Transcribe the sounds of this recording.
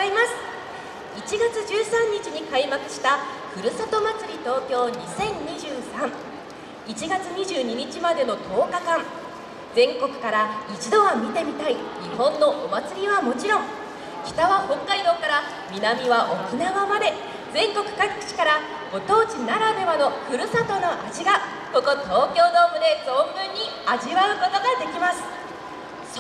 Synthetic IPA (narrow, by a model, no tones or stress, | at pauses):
imasɨ̥ | it͡ɕiɡat͡sɨʑɨːsãɲ̟ːit͡ɕiɲ̟ikaimakɯ̥ɕi̥t̪a | ɸɯ̟ɾɯ̟sot̪o̞mat͡sɨɾʲit̪o̞ːkʲo̞ːɲ̟isẽ̞ɲɲiʑɨːsãɴ | it͡ɕiɡat͡sɨɲ̟iʑɨːɲ̟iɲ̟it͡ɕimad̪e̞no̞t̪ʰo̞ːkakãŋ | d͡zẽ̞ŋko̞kɯ̟̥kaɾait͡ɕid̪o̞ɡamʲit̪e̞mʲit̪aiɲihõ̞nːo̞ʔomat͡sɨɾʲiβamo̞t͡ɕiɾõ̞ŋ | kʲi̥t̪aβahõ̞kːaid̪o̞ːkaɾa | mʲinamʲiβaʔo̞kinaβamad̪e̞ | d͡zẽ̞ŋko̞kɯ̟̥kaɡi̥kɯ̥t͡ɕi̥kaɾa | ɡ̥o̞t̪o̞ːt͡ɕinaɾad̪e̞βano̞ɸɯ̟ɾɯ̟sat̪o̞noʔaʑiɡa | ko̞ko̞t̪o̞ːkʲo̞ːd̪o̞ːmbɯ̟d̪e̞so̞ːbɯ̟̃ɲ̟ːiaʑiβaɯ̟ko̞t̪o̞ɡad̪e̞kʲimasɨ̥